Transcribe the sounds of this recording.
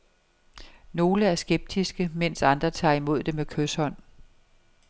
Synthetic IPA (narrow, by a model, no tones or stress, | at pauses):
no̝ːləæɐsɡ̥eb̥̚d̥isɡ̥əmen̰sɑ̈nd̥ʁɐt͡sʰɑ̰̈ːimo̝ð̞̰ˠd̥emekʰøshɒ̽n̰